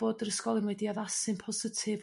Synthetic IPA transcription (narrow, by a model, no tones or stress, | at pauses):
odərəskɔlˠɪnwɛdiaðasɨnpʰɔzɪtʰɪv